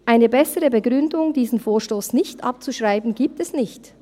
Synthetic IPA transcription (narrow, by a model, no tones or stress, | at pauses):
ʔaɪnəbɛsəʁəbəɡʁʏndʊŋdiːzn̩foːʃtoːsnɪçtʔa̰p̚t͡suʃʁ̥aɪbn̩ɡiːp̚tɛsnɪçt